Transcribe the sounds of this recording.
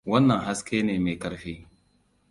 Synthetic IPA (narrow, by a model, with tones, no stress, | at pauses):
wɐ˦nːɐ˨ŋɦa˦skʰʲeː˦neː˨meː˨kɐ˨ɾɸeː˦